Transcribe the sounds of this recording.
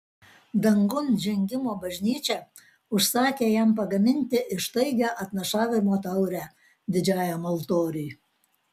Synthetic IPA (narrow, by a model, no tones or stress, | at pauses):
d̪ɐŋɡʊnd͡ʒʲɛŋʲɡʲɪmoːbɐʒʲnʲiːt͡ʃʲɛ | ʊʃsɑːkʲeːjæmpɐɡɐmʲɪnʲt̪ʲɪʔɪʃt̪ɐɪɡʲɛʔɐt̪nɐʃɑːʋʲɪmoːt̪ɐʊɾʲæː | d̪ʲɪd͡ʒʲɑːjɛmɐlˠt̪oːɾʲyj